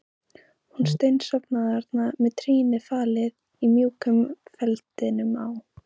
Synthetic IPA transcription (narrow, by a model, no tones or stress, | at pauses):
huns̬t̪ejnsɔpnaðaɾt̪namɛðt̪ʰɾiːnɪfaːlɪð | imjuːkʏmfɛlt̪ɪnʏmaw